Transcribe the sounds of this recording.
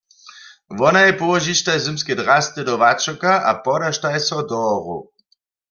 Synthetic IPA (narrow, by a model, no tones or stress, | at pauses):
ʋɔnajɛpɔwɔʒiʃtajzɛmskɛdʁast̪ɛd̪ɔʋat͡ʃɔkaʔa̰pɔɾaʃtajɛsɔd̪ɔʁṵ